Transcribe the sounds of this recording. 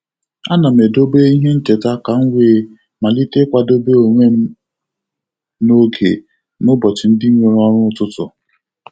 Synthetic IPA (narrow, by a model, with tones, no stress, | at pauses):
a˦na˨me˨do˦be˦i˦ɦe˦n̩˦te˨ta˦ka˨ŋ̩˦wʷe˨ | ma˨li˦te˦kʷa˨do˦be˦o˨ŋʷe˦ | no˦ɡḛ˨ | nʊ˦bɔ˨t͡ʃɪ˨n̩˦dɪ˦mo˨ɾɔ˦ɾʊ˦tʊ˦tʊ˨